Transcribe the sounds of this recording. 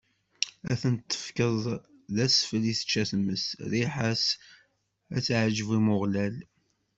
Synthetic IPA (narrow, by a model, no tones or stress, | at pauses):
æ̰θənt̪ʰːə̥fkəðˤ | ðæsfəliθə̥t͡ʃːæθmːəsðiħas | æt͡sʕʒəvimʊʁlæl